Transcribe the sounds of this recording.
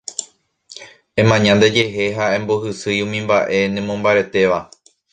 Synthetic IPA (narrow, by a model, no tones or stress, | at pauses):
ẽ̞mãɲãnd̪e̞d͡ʒe̞ɦe̞ɦaẽ̞mboɦɨsɨjũmĩmbaʔe̞nẽmõ̞mbaɾe̞t̪e̞ʋa